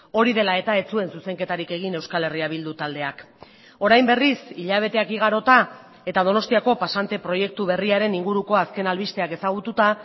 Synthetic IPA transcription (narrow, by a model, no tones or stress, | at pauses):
o̞ɾið̞e̞lae̞t̪ae̞t͡sue̞nsuse̞ŋke̞t̪aɾike̞ɣ̞ine̞wskale̞riaβ̞ild̪ut̪ald̪e̞ak | o̞ɾajmbe̞risiʎaβ̞e̞t̪e̞akiɣ̞aɾo̞t̪a | e̞t̪að̞o̞no̞st̪iako̞pasant̪e̞pɾo̞je̞k̚t̪uβ̞e̞riaɾe̞niŋɡuɾuko̞aske̞nalβist̪e̞ake̞saɣ̞ut̪ut̪a